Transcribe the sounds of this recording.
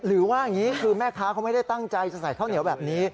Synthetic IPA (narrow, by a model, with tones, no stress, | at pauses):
ɾɯː˩˦waː˥˩a˨˩ŋiː˦˥kʰɯː˧mɛː˥˩kʰaː˦˥kʰa˧˥m˥˩jda˥˩jt̪a˥˩ŋt͡ɕa˧jt͡ɕa˨˩sa˨˩jkʰa˥˩wni˩˦wbɛː˨˩p̚niː˦˥